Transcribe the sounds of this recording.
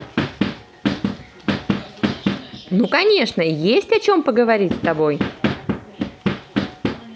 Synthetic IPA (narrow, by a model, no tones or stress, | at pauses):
nukɐnʲe̞ʂnəjesʲtʲɐt͡ɕo̞mpəɡəvɐɾʲitʲst̪ɐbo̞j